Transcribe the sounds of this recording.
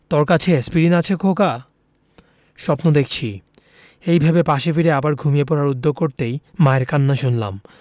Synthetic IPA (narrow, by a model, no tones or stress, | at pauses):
t̪oɾkat͡ɕʰespiɾinat͡ɕʰekʰoka | ʃɔpnod̪ekʰt͡ɕʰi | ejbʱabepaʃefiɾeabaɾɡʱumiepɔɾaɾud̪ːoɡ̚koɾt̪ejmaeɾkanːaʃunla̰m